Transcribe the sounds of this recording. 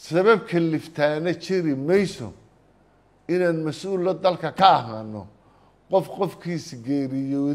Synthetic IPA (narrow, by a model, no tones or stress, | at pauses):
sɐβɐb̚kʰɐlɪft̪ʰaːnɐt͡ʃʰɪɾɪmɛjsɔ̰ | ɪnaːnmɐsʔuːlːɐd̪ɐlkʰɐkʰɐːɦaːnːɔ̰ | qɔfqɔfkʰiːsɡɛːɾɪjɔː